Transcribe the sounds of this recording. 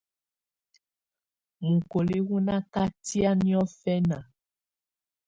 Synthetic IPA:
mu˨ko˨le˦ɣu˦nã˦ka˦ti˦a˦nĩ˦ɔ˦fɛ˦na˨

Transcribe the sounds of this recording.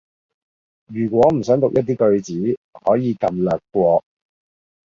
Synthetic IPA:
jyː˨˩kʷɔː˨˥m̩˨˩sœː˨˥ŋt̪ʊ˨k̚jɐ˥t̪̬̚ːiː˥kɵ˧ɥt͡siː˨˥hɔ̰ː˨˥jiː˨˧kɐ˧mlœː˨kːʷɔː˧

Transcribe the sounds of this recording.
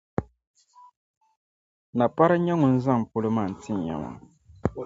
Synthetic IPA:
na˨pa˦ɾa˦ɲɛ˦ŋʊ˨n̩˦za˦ŋ˨pʊ˦lɨ˦maː˦˨n̩˨ti˦˨ɲ˨ɲa̰˨ma̰˨

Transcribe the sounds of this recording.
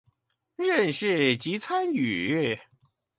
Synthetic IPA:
ɻə˥˧nʂɻ̩˥˩t͡ɕi˧˥t͡sʰa˥ny˨˩

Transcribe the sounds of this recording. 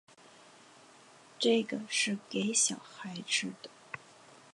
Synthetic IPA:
ʈ͡ʂɤ˥˩ɡə˩ʂɻ̩˥˩ke˧˥ɪɕjɑ˨˩ʊxa˧˥ɪʈ͡ʂɻ̩˥˩d̪ə̥˩

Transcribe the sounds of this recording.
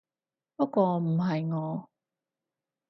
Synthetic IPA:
pɐ˥kʷːwɔː˧m̩˨˩ɦɐ˨jŋɔː˨˦

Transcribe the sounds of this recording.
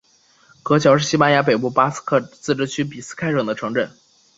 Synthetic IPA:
kɤ˧˥t͡ɕʰjɑ˧˥ʊʂɻ̩˥˩ɕi˥pa˥nja˧˥p̬e˨˩ɪp̬u˥˩pa˥skʰɤ˥˩t͡sɹ̩˥˧ʈ͡ʂɻ̩˥t͡ɕʰy˥p̬i˨˩sɹ̩˥kʰa˥ɪʈ͡ʂɤ˨˩ŋd̪ə˦ʈ͡ʂʰɤ˧˥ŋʈ͡ʂə˨˩˦n

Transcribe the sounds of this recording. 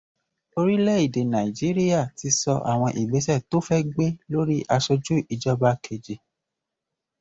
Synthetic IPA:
o˧ɾi˦lɛ˦i˦˨de˨nã˨i˨d͡ʒi˨˦ɾi˦ja˦˨ti˨˧sɔ˧ʔa̰˨w̃ɔ̃˧ʔi˨ɡ͡be˨˦sɛ˦˨to˨˦fɛ˦ɡ͡be˦lo˦ɾi˦ʔa˧ʃɔ˧d͡ʒu˦ʔi˧d͡ʒɔ˦ba˦kʰe˨d͡ʒe˨

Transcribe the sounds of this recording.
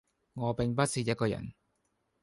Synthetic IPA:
ŋɔː˨˧pɪ˨ŋp̬ɐ˥t̚siː˧jɐ˥t̚kɔː˧jɐ̰˨˩n

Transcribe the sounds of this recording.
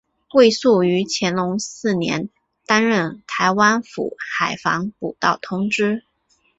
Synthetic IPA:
we˥˧ɪsu˥˩y˧˥t͡ɕʰjɛ˧˥nlʊ˧˥ŋsɹ̩˥˩njɛ̰˧˥n | t̪a˥nɻə˥˩nt̪ʰa˧˥ɪwa˥nfṵ˨˩˦xa˨˩ɪfɑ˧˥ŋpu˨˩t̪ɑ˥˩ʊt̪ʰʊ˥ŋʈ͡ʂɻ̩˥

